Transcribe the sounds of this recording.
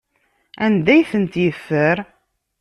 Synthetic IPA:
ænd̪æjθənt̪jəfːəɾ

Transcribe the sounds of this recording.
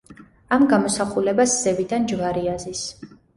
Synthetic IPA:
amɡamɔsaχulɛbasz̥ɛvid̪and͡ʒvaɾiazis

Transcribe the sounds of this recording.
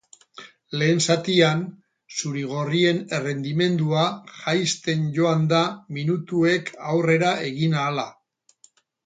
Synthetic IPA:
le̞ːnsat̪ian | suɾiɣ̞o̞rie̞nere̞nd̪ime̞nd̪uaʝajst̪e̞nʝo̞and̪aminut̪ue̞kʰawre̞ɾaʔe̞ɣinaːla

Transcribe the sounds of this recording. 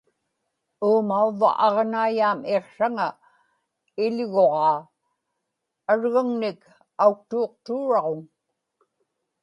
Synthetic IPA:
uːmauva̰ʔɑʁnaːjaːmeqʂaŋa | ɪʎɣo̞ʁɑː | aɻɣaŋnɪk | auk̚t̪uːq̚t̪uːɻɑʁoŋ

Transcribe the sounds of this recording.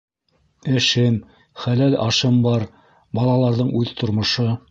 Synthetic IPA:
ɘ̆ʃɘm | χælælɑʃɤmbɑɾ | bɑlˠɑlˠɑɾðɤɴʉðt̪ʰŏɾmŏʃɤ

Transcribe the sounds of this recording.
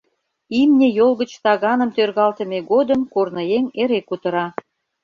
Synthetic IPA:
imnʲejolɣə̆t͡ɕt̪ɑɣɑnə̆mt̪ørɣɑlt̪ə̆meɣod̪əmkornə̆jeŋeɾekut̪ə̆ɾɑ

